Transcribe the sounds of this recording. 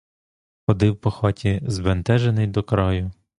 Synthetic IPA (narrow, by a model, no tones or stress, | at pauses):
xɔd̪ɪwpɔxɔtʲizbent̪ɛʒenɪjd̪ɔkɾɔjʊ